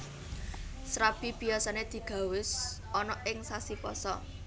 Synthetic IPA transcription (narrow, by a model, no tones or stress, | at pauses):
sɾab̥i̤b̥iasaned̪̥i̤ɡ̥ä̤wɪs | ɔnɔʔɪŋsasipɔsɔ̰